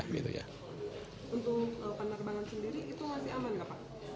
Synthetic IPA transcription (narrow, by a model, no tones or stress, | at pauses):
ɡḭt̪ṵja̰ | unt̪ʊkəpənərbaŋansəndiɾiʔit̪umasiamanɡapa